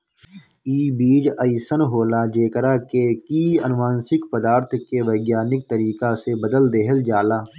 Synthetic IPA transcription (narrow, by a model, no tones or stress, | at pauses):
iːbiːd͡ʒəisənɦoːlaːd͡ʒeːkəɾaːkekiːənʋaːnsɪkpəd̪aːɾt̪ʰkeʋəɪɡjaːnɪk̚t̪əɾiːkasebəd̪əld̪eɦəld͡ʒaːlaː